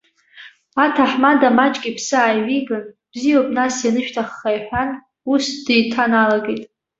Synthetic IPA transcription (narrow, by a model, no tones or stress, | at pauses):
atʰaħmadamat͡ʃʼɡʲʼipʰsɨaːjʕʷiɡan | b̥zijopʼnasjanɨʃᶣtʰaχːajħʷᶣan | usd̥ijtʰanalaɡejtʼ